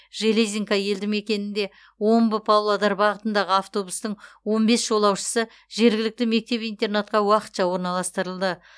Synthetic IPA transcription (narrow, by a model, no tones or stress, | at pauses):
ʒe̞lezʲiŋkɑje̞ld̪ɪŋme̞kʲe̞nɪnd̪e̞ | wo̞mbəpʰawlˠad̪ɑɾbɑʁət̪ənd̪ɑʁəɑft̪o̞bust̪əɴwo̞nbe̞sʒ̥o̞lˠɑwʃə̥sə | ʒe̞ɾɡʲɪlɪk̚t̪ɪme̞k̚t̪e̞pijnt̪e̞rnat̪̚qɑwɑqə̥t̪ʃɑwo̞ɾnɑlˠɑst̪əɾəlˠd̪ə